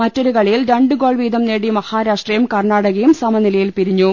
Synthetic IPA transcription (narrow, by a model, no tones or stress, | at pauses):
mɐtːoɾukɐɭijilɾɐɳɖɨɡo̞ːɭʋiːd̪ɐmneːɽimɐhaːɾaːʂʈrɐjumkɐrɳaːɽɐɣɐjumsɐmɐnilɐjilpiɾiɲːu